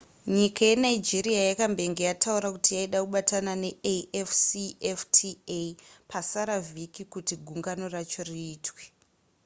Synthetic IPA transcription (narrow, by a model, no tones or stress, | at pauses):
ɲikʰaje̞naid͡ʒeɾiajakambe̞ŋɡejatʰauɾakutijaiɗakuɓatanane̞ʔeefsieftʰiepʰasaɾavikikutiɡʱuŋɡano̞rat͡ʃo̞riːtʰwe̥